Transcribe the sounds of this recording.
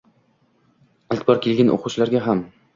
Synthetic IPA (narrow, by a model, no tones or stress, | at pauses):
alt̪ʰbɒɾkʲʰe̞lɡʲanʔo̰qʰʊt͡ʃlaɾɡʲaɦam